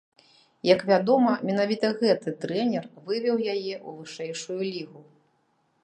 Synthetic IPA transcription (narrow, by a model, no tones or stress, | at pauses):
jɐkvʲad̪ɔmɐmʲin̪avʲit̪ɐɣɛt̪ɨt̪ɾɛnʲɛrvɨvʲɛwjajɛʔuvɨʂɛjʂujulʲiɣu